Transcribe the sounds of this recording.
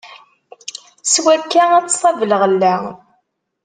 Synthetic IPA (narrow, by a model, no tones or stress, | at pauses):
swækːææt͡sːsˤɑvələʁəlːæ